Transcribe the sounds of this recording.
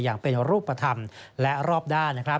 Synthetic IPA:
jaː˨˩ŋpe˧nɾuː˥˩pːa˧t̪ʰa˧mlɛ˦˥ɾɔː˥˩p̚daː˥˩nna˥kʰɾa˦˥

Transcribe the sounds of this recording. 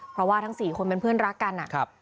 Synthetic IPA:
pʰɾɔ˦˥waː˥˩t̪ʰa˦˥ŋsiː˨˩kʰo˧npe˧npʰɯ˥˩ənɾa˦˥kːa˧nʔa̰˨˩kʰa˦˥p̚

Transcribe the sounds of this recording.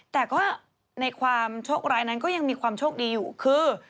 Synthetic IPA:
t̪ɛː˨˩kɔː˥˩ | na˧jkʰwaː˧mt͡ɕʰoː˥˩k̚ɾaː˧jna˦˥nkɔː˥˩ja˧ŋmiː˧kʰwaː˧mt͡ɕʰoː˥˩k̚diː˧juː˨˩kʰɯː˧

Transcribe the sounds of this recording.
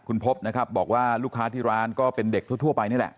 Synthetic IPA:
kʰu˧npʰo˦˥p̚na˦˥kʰa˦˥p̚bɔː˨˩k̚waː˥˩luː˥˩kʰːaː˦˥t̪ʰiː˥˩ɾaː˦˥nkɔː˥˩pe˧nde˨˩k̚t̪ʰu˥˩t̪ʰu˥˩ɐpa˧jni˥˩˨lɛ̰˨˩ʔ

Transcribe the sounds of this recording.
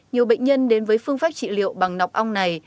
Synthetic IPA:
ɲi˨˩əwɓə̰˧˨ŋ̟ɲə˧nɗe˨˦nvəː˨˦jfɨ˧əŋfaː˦˥p̚t͡ɕḭ˧˨lḭ˧˨əwɓa˨˩ŋna˨˩wk͡p̚ʔa˧wŋ͡mna˨˩j

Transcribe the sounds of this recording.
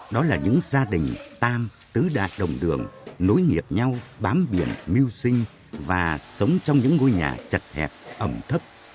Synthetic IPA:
ɗɔ˨˦laː˨˩ɲɨ̰˧˥ŋzaː˧ɗï˨˩ŋ̟t̪aː˧m | t̪ɨ˨˦ɗa̰ː˧˨jɗə˨˩wŋ͡mɗɨ˨˩əŋno˨˦jŋi˨˩əp̚ɲa˧wɓaː˨˦mɓi˧˩ənmi˧wsï˧ŋ̟ | vaː˨˩sə˨˦wŋ͡mt͡ɕɔ˧wŋ͡mɲɨ̰˧˥ŋːo˧jɲa̰ː˨˩t͡ɕə˨˩t̚hɛ̰˨˩p̚ʔə˧˩mt̪ʰə˦˥p̚

